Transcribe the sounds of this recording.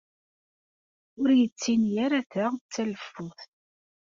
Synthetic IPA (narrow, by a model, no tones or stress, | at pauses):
ʊɾjət͡sːinjæɾæθat͡sːæləfːʊθ